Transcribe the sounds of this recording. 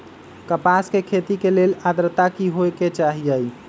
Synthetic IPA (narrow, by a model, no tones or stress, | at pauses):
kəpaskekʰet̪ikelelad̪ɾət̪akiɦoeket͡ʃaɦiəj